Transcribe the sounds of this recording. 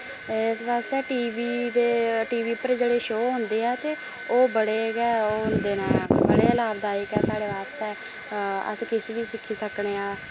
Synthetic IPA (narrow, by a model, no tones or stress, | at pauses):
sbaːst̪ɛːʈiːʋiːd̪eːʈiːʋiːpəɾd͡ʒeːɽeːʃoːɦʊ̃nd̪eːɛːt̪eː | oːbəɽeːɡɛːoːɦʊnd̪eːnãːbəɽeːlaːbd̪aːɪkɛːsaːɽeːʋaːst̪ɛː | ə̰skɪseːʋiːsɪkʰːiːsəkɽeːaː